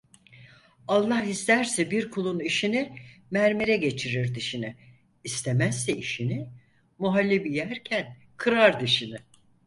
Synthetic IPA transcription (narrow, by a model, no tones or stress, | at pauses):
alˠːahist̪ʰæɾsɛbiɾkʰulˠuniʃinimæɾmeɾɛɟe̞t͡ʃʰiɾiɾd̪iʃinɪ | ist̪ʰemæsːɛiʃinɪ | muɦalʲːibijæɾcʰæn | kʰɯɾaɾd̪ɯʃinɪ